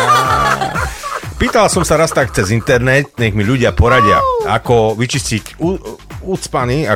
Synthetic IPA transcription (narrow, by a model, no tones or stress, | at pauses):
a | piːt̪alasɔmsaɾast̪akt͡sɛzint̪ɛɾnɛt̪̚ɲɛɣmiʎuɟɪapɔɾaɟɪa̰a̰kɔʋit͡ʃiscicuut͡spania